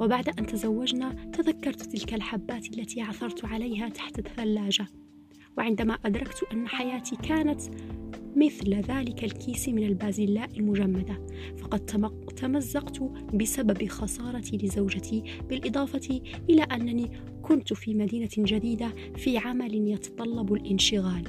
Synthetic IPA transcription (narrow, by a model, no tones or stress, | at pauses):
wɪbaʕd̪aʔant̪azawːad͡ʒnat̪aðakːɑɾˤt̪t̪ɪlkalħabːaːt̪alːat̪iːʕaθɑɾˤt̪ʕalajɦat̪ḁħt̪aθːalːaːd͡ʒa | wɪʕɪnd̪amaʔad̪ɾˤɑkt̪ʔanːaħajaːt̪iːkaːnat̪ | mɪθlðaːlɪkalkʰiːsimɪnalbaːzɪlːaːʔɪlmʊd͡ʒamːad̪a | fɑqɑd̪ | t̪amazːɑqt̪ | bɪsababxɑsˤɑːɾˤɑt̪ilɪzawd͡ʒat̪ʰiː | b̥ɪlʔɨd̪ˤɑːfɑt̪i | ʔɪlaːʔanːaniː | kʊnt̪fiːmad̪iːnad͡ʒad̪iːd̪a | fiːʕamalɪnjɑt̪ɑ̥t̪ˤɑlːɑbalʔɪnʃɪɣaːl